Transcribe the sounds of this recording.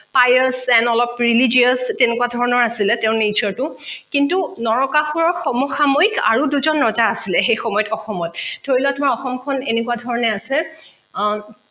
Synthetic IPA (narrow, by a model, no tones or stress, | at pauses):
pajɔsɛnɔlɔpɹilid͡ʒiɔstɛnekuwadʱɔɹɔnɔɹasilɛtɛʊ̃nezʰɔtʊkintunɔɹɔkaxuɹɔxɔmɔxamɔjka̰ɹuduzɔnːɹɔzaːsilɛxejxɔmɔjɔtɔxɔmɔt̚d̥ʱoɹilɔtʊmaɹɔxɔmkʰɔnenekuadʱɔɹɔnɛasɛ